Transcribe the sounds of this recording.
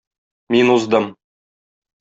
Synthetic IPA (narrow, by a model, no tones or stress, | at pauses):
minuzd̪ɤm